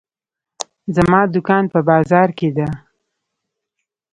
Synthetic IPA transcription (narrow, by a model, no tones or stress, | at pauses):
zamɑd̪ʊkɑnpəbɑzɑɾked̪a